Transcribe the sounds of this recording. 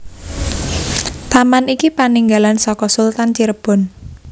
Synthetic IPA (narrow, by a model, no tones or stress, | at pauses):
t̪amanikipaniŋɡalansɔkɔsult̪ant͡ʃiɾəb̥ɔ̤n